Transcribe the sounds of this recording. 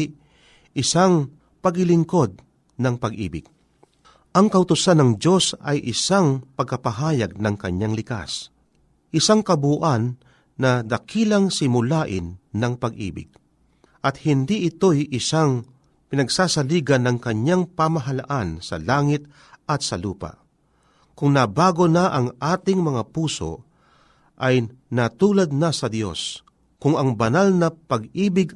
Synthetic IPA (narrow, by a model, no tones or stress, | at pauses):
ʔɪsaŋ | pɐɡɪlɪŋko̞d̪̚ | nɐŋpɐɡʔḭːbɪ̰ɡ̥̚ | ʔɐŋkɐʔʊt̪ʊsanɐŋd͡ʒo̞sɐjʔɪsaŋpɐɡ̚kɐpɐɦaːjɐɡ̚nɐŋkɐɲːaŋlɪka̰s | ʔɪsaŋkɐbuʔanː | ɐd̪ɐkʰiːlɐŋsɪmʊlaːʔɪnːɐŋpɐɡʔḭːbɪ̰ɡ̥̚ | ʔɐt̪hɪnd̪iʔɪt̪o̞jʔɪsaŋ | pɪnɐɡsaːsɐliːɡɐnːɐŋkɐɲːaŋpamɐɦalaʔansɐ̰laːŋɪt̪̚ | ʔɐt̪sɐluːpa̰ʔ | kʊŋnɐbaːɡonaʔɐŋʔaːt̪ɪŋmɐŋapuːso̞̰ | ʔɐjnɐt̪uːlɐd̪̚nasɐd̪jo̞̰s | kʊŋɐŋbɐnalnɐpɐɡiːbɪɡ